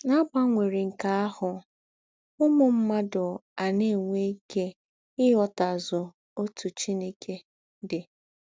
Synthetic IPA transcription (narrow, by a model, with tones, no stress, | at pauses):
na˦ba˦ŋʷe˨ɾi˨ŋ̩˨ka˨a˦hʊ˨ | ʊ˦mʊ˦m̩˦ma˦dʊ˨a˨ne˦˨ŋʷe˦ke˦ | ɪ˦ɦɔ˦ta˨zʊ˨ | o˦tʰu˨t͡ʃi˦ne˦kʰe˦ | dɪ˨